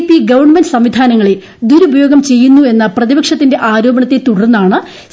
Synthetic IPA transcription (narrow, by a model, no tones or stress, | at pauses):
pːiɡɐʋɐrɳmendɨsɐmʋid̪ʱaːnɐŋːɐɭe | d̪uɾubʱɐjo̞ːɡɐmt͡ɕe̞jːunːue̞nːɐprɐðibɐkʂɐt̪ːinde̞ʔaːɾo̞ːbɐɳɐt̪ːet̪uɽɐrunːaːɳɨ